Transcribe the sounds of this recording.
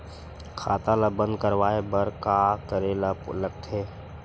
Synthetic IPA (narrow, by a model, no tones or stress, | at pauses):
kʰaːt̪aləbə̃nd̪kəɾwaːebəɾkaːkəɾeləpləɡ̚t̪ʰeː